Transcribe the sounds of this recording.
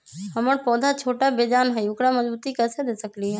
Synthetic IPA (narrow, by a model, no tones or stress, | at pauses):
ɦəməɽpɔːd̪ʱat͡ʃʰoːʈabeːd͡ʒaːnɦɛjʊkɽamɐzbuːt̪ikɐsʰed̪eːsəkliɦɛ̃ː